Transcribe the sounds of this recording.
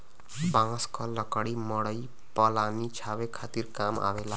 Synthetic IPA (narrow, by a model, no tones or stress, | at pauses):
bãskʌlʌkaɽimʌɽʌj | pʌlanit͡ʃʰawekʰat̪irkama̰wela